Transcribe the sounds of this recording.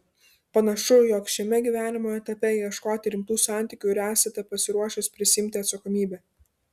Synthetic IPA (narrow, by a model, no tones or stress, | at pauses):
pɐnɐʃʊjoːkʃʲɛmʲɛɡʲiːʋʲæːnʲɪmoːɛt̪ɐpʲɛiɛʃkoːt̪ʲɪɾʲɪmt̪uːsɑˑnʲt̪ʲiːˑkʲuːɾʲæːsʲɛt̪ʲɛpɐsʲɪɾuɔʃʲɪspʲɾʲɪsʲɪɪmʲt̪ʲɪɐt̪sɐkɔmʲiːbʲɛː